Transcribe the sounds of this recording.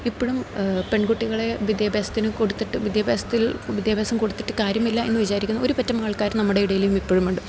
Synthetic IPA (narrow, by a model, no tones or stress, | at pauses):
ipːoɻumpe̞ɳɡuʈːiɣɐɭe̞ʋid̪jɐbʱaːsɐ̥t̪ːinɨkoɽut̪ːiʈːɨʋid̪jabʱaːsɐ̥t̪ːilʋid̪jabʱaːsɐmko̞ɽut̪ːi̥ʈːɨkaːɾjɐmilːɐe̞nːɨʋit͡ɕaːɾikʲːunːɐo̞ɾupɐtːɐmaːɭkaːɾmnɐmːuɽe̞iɽɐjiljumipːoɻumuɳɖɨ